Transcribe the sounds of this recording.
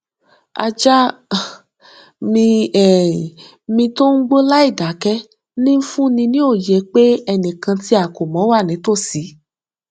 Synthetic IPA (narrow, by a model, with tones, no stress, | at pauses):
a̰˧d͡ʒa˦ | mĩ˧ɛ˨ | mĩ˧to˦ŋ̩˦ɡ͡bo˦la˦i˦˨da˨˦kɛ˦ | nĩ˦n̩˦fũ˦nĩ˧nĩ˦o˦˨je˨˦k͡pe˦ɛ˧nĩ˨kã˧ti˦a˦˨ko˨mɔ̃˨˦wa˦˨nĩ˨˦to˦˨si˨˦